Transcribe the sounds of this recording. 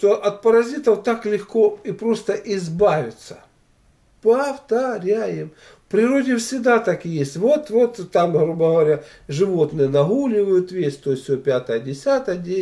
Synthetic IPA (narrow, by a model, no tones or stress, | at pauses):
t̪o̞ʔɐt̪pɐɾɐzʲit̪əwt̪aklʲɪxko̞ipɾo̞st̪əʔɪzbavʲɪt̪sə̥ | pɐft̪ɐɾʲajɪm | fpɾʲɪɾo̞dʲɪfsʲɪɡd̪at̪akjesʲtʲvo̞t̪vot̪ːamɦɾubəɣəvɐɾʲa | ʐɨvo̞t̪nɨjənɐɦulʲɪvəjʊt̪vʲesʲt̪ojsʲsʲopʲat̪əjədʲɪsʲat̪əjədʲe